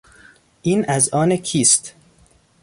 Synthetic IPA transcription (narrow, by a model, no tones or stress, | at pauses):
ʔiːnʔæzɒːnekʰiːst̪